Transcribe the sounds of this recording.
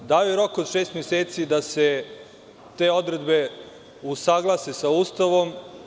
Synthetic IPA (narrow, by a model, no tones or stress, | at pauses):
d̪aːojeɾo̞kod̪ʃeːst̪mjeseːt̪sid̪ase | t̪e̞ːo̞d̪ɾe̞d̪be̞ | usaːɡlˠasesauːst̪aʋo̞m